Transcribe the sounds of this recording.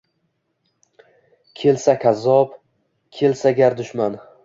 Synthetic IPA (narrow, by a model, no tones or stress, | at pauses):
kʲʰe̞lsakʲʰazɒp | kʲʰe̞lsaɡʲaɾd̪ʊʃman